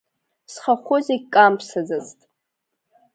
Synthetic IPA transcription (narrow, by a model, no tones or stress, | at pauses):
sχaχʷʊzekʼampʰsazaztʼ